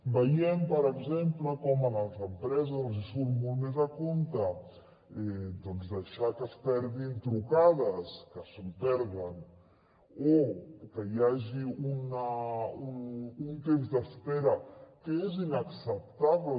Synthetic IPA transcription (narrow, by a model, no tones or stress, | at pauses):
bəjɛmpəɾəɡzempləkɔmənalˠt̪ɾəmpɾɛzaonzisulmolˠt̪mezakont̪ə | ɛd̪ɔnzd̪əʃakəspɛɾðint̪ɾukaðəskəsəmpɛɾðən | okəjaʒiunaununt̪emzd̪əspɛɾəkəezinaksəp̚t̪aβlə